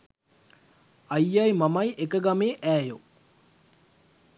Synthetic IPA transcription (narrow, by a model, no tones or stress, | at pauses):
ajːajmamajʔekəɡameːʔæːjo